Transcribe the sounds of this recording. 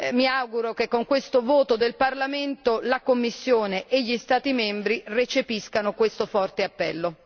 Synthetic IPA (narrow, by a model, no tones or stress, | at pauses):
miawɡuɾokekːoŋkwest̪ovoːt̪od̪elparlament̪olakomːisːjoːneʔːʎːist̪aːt̪imɛmbɾiret͡ʃepiskanokwest̪ofɔrt̪eapːɛ̰lːo